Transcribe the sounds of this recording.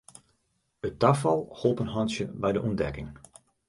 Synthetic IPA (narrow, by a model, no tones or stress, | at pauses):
ətafɑlˠholˠpənɦɑnsjəbɛjdəʔundɛkɪŋ